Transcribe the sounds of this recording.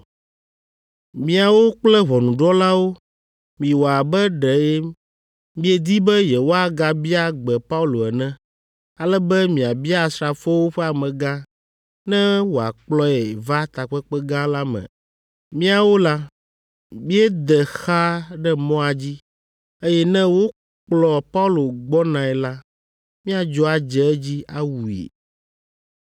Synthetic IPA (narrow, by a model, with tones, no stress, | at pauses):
mĩ˨a˨wo˦k͡plɛ˦βɔ˨nũ˨ɖɔ˦la˦wo˦ | mĩ˨wo˨a˨bɛ˦ɖɛ˨e˦ | mĩ˦e˨d̪i˦bɛ˦jɛ˨wo˦a˨ɡa˨bi˦a˦ɡ͡bɛ˨pa˦u˦lo˨ɛ˨nɛ̃˦ | a˨lɛ˦bɛ˦mĩ˨a˨bi˦a˦˨sɾa˨fo˦wo˦ɸɛ˦a˨mɛ̃˨ɡã˦ | nɛ̃˦wo˨a̰˨k͡plɔ˦ɛ˨va˦t̪a˨k͡pɛ˦k͡pɛ˦ɡã˦la˦mɛ̰̃˨ | mĩ˦a˦˨wo˦la˦ | mĩ˦ɛ˦d̪ɛ˨xa˦ɖɛ˦mɔ̃˦a˨d͡ʑi˦ | e˦jɛ˦nɛ̃˦wo˦ | k͡plɔ˨pa˦u˦lo˨ɡ͡bɔ˦nã˨ɛ˨la˦ | mĩ˦a˨d͡ʒɔ˦a˨d͡ʒɛ˦ɛ˦d͡ʑi˦a˦wu˨ḛ˨